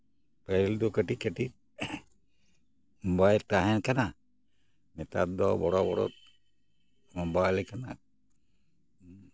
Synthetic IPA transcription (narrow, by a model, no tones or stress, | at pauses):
pəɾild̪ɔkəʈikəʈi | mɔbajɾt̪aɦɛnkana | nɛt̪a̰t̪̚d̪ɔbɔɽɔbɔɽɔ̰t̪̚ | mɔmbajlɛkana̰